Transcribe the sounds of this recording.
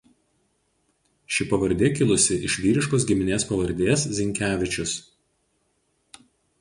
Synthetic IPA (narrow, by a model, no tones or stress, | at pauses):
ʃʲɪpɐʋɐɾʲd̪ʲeːkʲɪlˠʊsʲɪʔɪʃʲʋʲiːɾʲɪʃkoːsɡʲɪmʲɪnʲeːspɐʋɐɾʲd̪ʲeːszʲɪŋʲkʲæːʋʲɪt͡ʃʲʊs